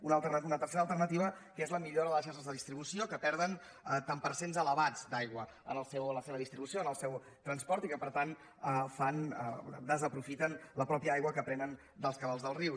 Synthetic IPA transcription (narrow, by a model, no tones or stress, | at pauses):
unəlˠt̪ənunət̪əɾseɾəlˠt̪ərnət̪iβ̞əkezləmiʎoɾəðələʃaʃəzðəðist̪ɾiβusiokəpɛɾð̞ən | ət̪ampəɾsenzələβad͡zd̪ajɣwə | ə̰nəlˠsɛwənləseβəðist̪ɾiβusioənəlˠsɛw | t̪ɾənspɔɾt̪ikəpəɾt̪an | əfan̰d̪əzəpɾufit̪ənləpɾɔpiəajɣwəkəpɾɛnən | d̪əlˠskəβalˠzðəlˠriw